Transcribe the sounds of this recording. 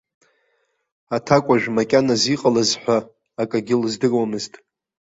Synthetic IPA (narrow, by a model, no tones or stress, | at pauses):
atʰakʷʼaʒᶣmakʲʼanaziqʼalazħʷaː | kʼaɡʲɪlzdɨrwamɨztʼ